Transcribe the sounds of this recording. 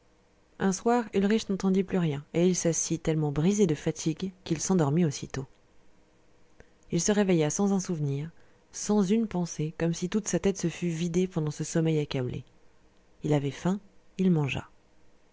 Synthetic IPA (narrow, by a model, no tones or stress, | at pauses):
ɛ̃swaːʁylʁiʃnɑ̃t̪ɑ̃d̪iplyʁjɛ̃eilsasit̪ɛlmɑ̃bʁized̪əfat̪ʰiɡkilsɑ̃d̪ɔʁmiosḭt̪o | ilsəʁevejasɑ̃zɛ̃suvniʁ | sɑ̃zynpɑ̃sekɔmsit̪ut̪sat̪ɛt̪səfyvid̪epɑ̃d̪ɑ̃səsɔmɛjakablʔḛ | ilavɛfɛ̃ilmɑ̃ʒa̰